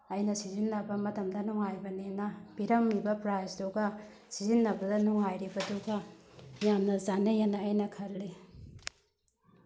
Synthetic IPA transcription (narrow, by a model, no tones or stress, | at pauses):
ɐjnɐsizinːɐbɐmɐtɐmdɐnuŋajbɐnenɐb̥iɾɐmːibɐpɾajsduɡɐ | sizinːɐbɐdɐnuŋajɾibɐduɡɐjamnɐzanɐjanɐːjnɐkʰɐlːi